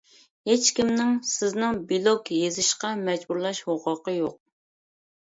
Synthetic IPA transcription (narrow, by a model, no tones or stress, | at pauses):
het͡ʃkʲimnɪŋsɪznɪŋbilˠokʲjezɪʃqɑmɛd͡ʒbuɾlˠɑʃhoqʊqəjoq̚